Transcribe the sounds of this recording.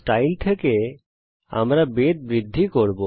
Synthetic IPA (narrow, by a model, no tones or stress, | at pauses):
ʈajlt̪ʰeke | a̰mɾabed̪̚bɾid̪ʱːikoɾbo